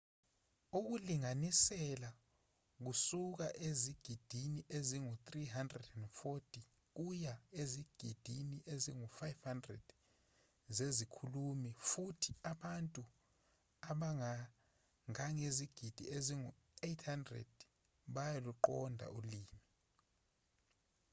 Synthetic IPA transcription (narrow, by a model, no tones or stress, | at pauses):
uk̬uliŋanisɛla | k̬usuk̬aʔeziɡ̥ʱid̥ʱiniʔeziŋut̪riɦandrɛdɛndfotʰʼi | k̬ujaeziɡ̥ʱid̥ʱiniʔeziŋufajfhandrɛd̥ | zezikʰulumifutʰi̥aɓantʼu | aɓaŋa | ŋaŋeziɡ̥ʱid̥ʱieziŋu | ejtʰhandrɛ̰d̥ | ɓajaluǃɔ̰ndʱa̰ʔuliːmi